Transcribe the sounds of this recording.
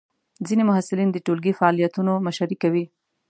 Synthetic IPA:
zinemʊɦasɪlind̪əʈolɡifaɑlijat̪unomaʃaɾikawi

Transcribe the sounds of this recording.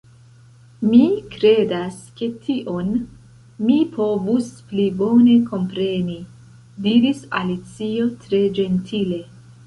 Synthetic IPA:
mikɾe̞daske̞tʰiʔo̞n | mipʰo̞vusplibo̞ne̞ko̞mpɾe̞ni | diɾisalit͡sio̞tɾe̞d͡ʒe̞ntʰile̞

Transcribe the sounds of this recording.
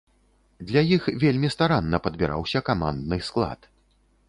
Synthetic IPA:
d̪lʲajixvʲelʲmʲist̪aɾanːɐpɐd̪̚bʲiɾa̰wsʲɐkama̰nd̪nɨsklˠa̰t̪

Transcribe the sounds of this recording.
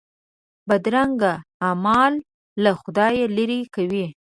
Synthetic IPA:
bad̪ɾaŋɡaːmɑlː | axʊd̪ɑjelaɾikawi

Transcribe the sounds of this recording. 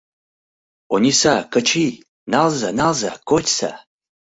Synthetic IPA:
onʲisakət͡ʃʰi | nalzanalzakotʲsa̰

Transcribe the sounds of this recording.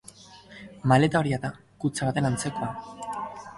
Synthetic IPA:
male̞t̪ao̞ɾiaða | kut͡saβat̪e̞nant͡se̞ko̞a

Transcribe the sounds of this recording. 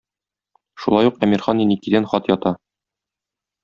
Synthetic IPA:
ʃulˠɑjuqæmiɾχɑninikid̪ænχɒt̪jɒt̪ɑ

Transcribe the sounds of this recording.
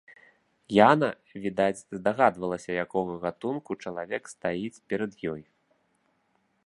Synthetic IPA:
janɐ | vʲid̪at͡sʲzd̪aɣad̪vɐlˠɐsʲɐjakɔɣɐɣat̪unkut͡ʂɐlˠavʲɛkst̪ajit͡sʲpʲɛɾɐd̪jɔj

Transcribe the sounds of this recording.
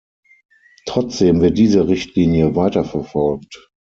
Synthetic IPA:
tʁ̥ɔt͡sd̥eːmvɪɐt̚d̥iːzəʁɪçtʰliːnjəvaɪtɐfɛɐfɔlkt

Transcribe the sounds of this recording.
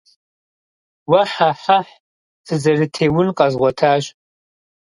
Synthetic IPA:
wɐħaħaħ | sʰɨzɐrɨtʰeːwʊnqʼɐzʁʷɔtʰaːʒ

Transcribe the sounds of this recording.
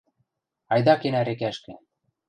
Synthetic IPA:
ɑjd̪ɑkenæɾĕkæʃkĕ

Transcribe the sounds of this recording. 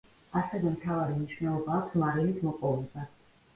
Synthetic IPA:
asɛvɛmt̪ʰavaɾimniʃvnɛlˠɔbaːkʷʰsmaɾɛlit̪ʰmɔpʼɔvɛd̪a

